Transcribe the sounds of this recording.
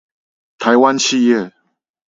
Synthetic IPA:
t̪ʰa˨˦jwa˦nɕʰi˥˧jɛ˥˨

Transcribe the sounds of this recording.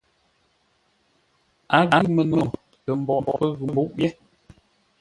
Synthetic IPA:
a˨˦ɣa˨˦˨mə˨no˨ | tə˨m̩˨bɔ˨bɔ˨ə˦ɣʉ˨mbu˦ʔjɛ˦

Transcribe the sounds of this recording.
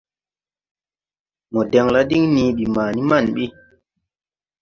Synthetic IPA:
mɔ˨de˨ŋla˦di˦ŋnĩː˨ɓi˨maː˨ni˦ma˦˨nɓi˦

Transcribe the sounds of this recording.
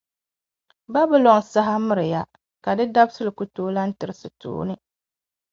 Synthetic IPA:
ba˦bɨ˦lɔ˨ŋ˨sa˦ɦa˦mɨ˦ɾɨ˨ja˦ | ka˨dɨ˦da˦bsɨ˦lɨ˨ku˨toː˦la˦n̩˦tɨ˨ɾɨ˦sɨ˨to̰ː˦nɨ˦

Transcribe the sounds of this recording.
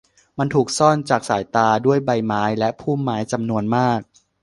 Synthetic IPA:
ma˧nt̪ʰuː˨˩k̚sɔ˥˩nt͡ɕaː˨˩k̚saː˩˦jt̪aː˧du˥˩əjba˧jmaː˦˥jlɛ˦˥pʰuː˥˩mːaː˦˥jt͡ɕa˧mnu˧ənmaː˥˩k̚

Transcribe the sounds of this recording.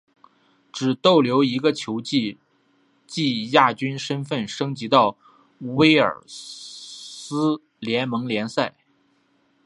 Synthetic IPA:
ʈ͡ʂɻ̩˨˩t̪o˥˩ʊljo˧˥ʊi˧˥ɡə˧t͡ɕʰjo˧˥ʊt͡ɕi˥˧ | t͡ɕi˥˧ja˥˩t͡ɕy˥nʂə˥nfə˥˩nʂɤ˥ŋt͡ɕi˧˥t̪ɑ˥˩ʊ | we˥ɪə̰˞˨˩ | sɹ̩˥ | ljɛ˧˥nmɤ˧˥ŋljɛ˧˥nsa˥˩ɪ

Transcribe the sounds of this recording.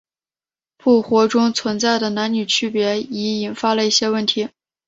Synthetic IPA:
pʰu˥˩xwɔ˧˥ʈ͡ʂʊ˥ŋt͡sʰwə˧˥nt͡sa˥˩ɪd̪ə˩na˧˥nny˨˩t͡ɕʰy˥˩pjɛ˧˥i˧˥i˨˩nfa˥lə˨i˥˩ɕjɛ˥wə˥˩nt̪ʰi˧˥

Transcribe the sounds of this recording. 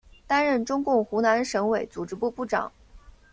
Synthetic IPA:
t̪a˥nɻə˥˩nʈ͡ʂʊ˥ŋkʊ˥˩ŋxu˧˥na˧˥nʂɤ˧˥ŋwe˨˩ɪt͡su˨˩ʈ͡ʂɻ̩˧˥pu˥˧pu˥˩ʈ͡ʂɑ̰˨˩˦ŋ

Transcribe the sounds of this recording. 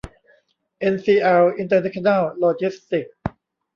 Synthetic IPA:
ʔe˧nsiː˧ʔɛ˧wi˧nt̪əː˧na˥ɕʰo˧na˥˩lloː˧t͡ɕi˦˥st̪i˨˩k̚

